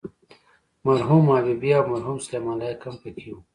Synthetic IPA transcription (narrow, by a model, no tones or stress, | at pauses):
mɐɾɦumaːbibiawmɐɾɦuːmslemaːlajkɐmpɐkʰiu